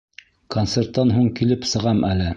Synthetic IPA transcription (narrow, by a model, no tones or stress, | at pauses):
kont̪sert̪ːɑnɦuɴkilɘpsɤ̆ʁɑmælɘ